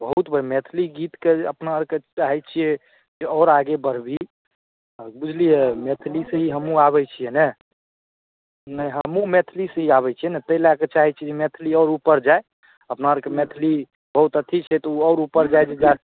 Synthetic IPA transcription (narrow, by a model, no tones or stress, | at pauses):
bəɦut̪bəɾmet̪ʰliɡit̪keəpnaɾket͡ʃaɦɛt͡ʃʰijɛ | d͡ʒeɔʊɾaɡebəɾ̤bi | bud͡ʒʱlijemet̪ʰliseɦiɦəmũaβɛt͡ʃʰijɛnɛ | nəɦəmũmet̪ʰlisə̃ɦiaβɛt͡ʃʰijɛnɛt̪əilaket͡ʃaɦɛt͡ʃʰid͡ʒemet̪ʰliɔɾupəɾd͡ʒae | əpnaɾkemet̪ʰli | bəɦut̪ət̪ʰːit͡ʃʰɛt̪ɔuɔːɾupəɾd͡ʒajd͡ʒed͡ʒa